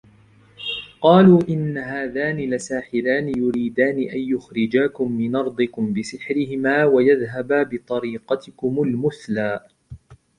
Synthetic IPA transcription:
qɑːluːʔɪnːaɦaːðaːnɪlasaːħɪlaːnɪjʊɾiːd̪aːnɪʔajjʊxɾɪd͡ʒaːkʊmːɪnʔɑɾˤd̪ˤɨkʊmbɪsɪħɾɪhɪmaːwajaðɦabaːbɪt̪ˤɑɾiːqɑt̪ɪkʊmʊlmʊθlaː

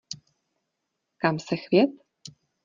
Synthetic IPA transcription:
kamsɛxvjɛt̪

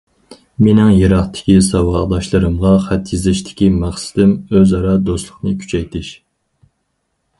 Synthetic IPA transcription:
menɪŋjeɾɑχt̪ʰɪ̥kʲisɑwɑd̪ɑʃlˠɨɾɨmʁɑχæt̪jizɪʃt̪ʰɪ̥kʲimæχsɪ̥d̪ɪmøzɑɾɑd̪oslˠʊχnɨkʲʰy̥t͡ʃʰɛjt̪ʰɪʃ

